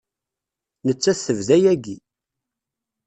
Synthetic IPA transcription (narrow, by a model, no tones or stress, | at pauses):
nət͡sːæθəvðæjæɡi